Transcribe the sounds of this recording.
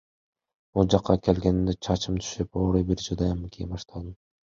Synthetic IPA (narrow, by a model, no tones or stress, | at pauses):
ulˠd͡ʒɑqːɑkʰe̞lɡe̞nind̪et͡ʃʰɑt͡ʃɯmt̪ʰy̥ʃypo̞ːɾujbiɾd͡ʒud̪ɑjɑmɯkʲʰijibɑʃt̪ɑlˠd̪ɯm